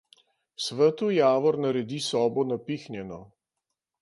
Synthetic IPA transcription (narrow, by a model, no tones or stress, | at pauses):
sʋət̪ujaːʋɔɾnaɾɛd̪isɔːbɔnapiːxnjɛnɔ